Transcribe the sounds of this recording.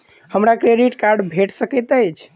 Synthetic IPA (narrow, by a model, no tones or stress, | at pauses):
həmɾakɾeɖiʈkaɾɖbʱeʈsəkət̪əjt͡ʃʰ